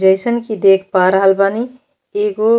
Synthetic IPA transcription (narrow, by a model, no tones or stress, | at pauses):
d͡ʒəɪsənkid̪ekʰpaɾəɦəlbani | eɡo